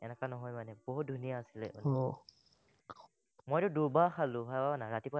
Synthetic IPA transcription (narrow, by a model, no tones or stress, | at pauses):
ɛnɛkanɔɦɔjmanɛboɦut̚dʱunijaːsilɛ̰ɔ̰ | mojɾʊdubaxalʊ̃ɦajbabanaɹatipɔ